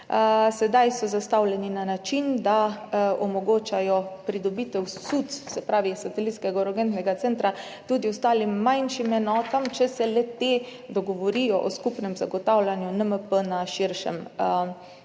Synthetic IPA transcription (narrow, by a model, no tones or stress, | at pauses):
sɛd̪ajsɔzast̪awlɛninanat͡ʃind̪aɔmɔɡoːt͡ʃajɔpɾid̪ɔbit̪ɛwsut̪ssɛpɾaːʋisat̪ɛlit̪skɛɡaɾɔɡɛnt̪nɛɡat̪sɛnt̪ɾa | t̪ud̪iʊst̪aːlimːajnʃimɛnɔːt̪amt͡ʃɛsɛlɛt̪ed̪ɔɡɔʋɔɾijɔʔɔskupnɛmzaɡɔt̪awlʲanjunəməpənaʃiɾʃɛ̰m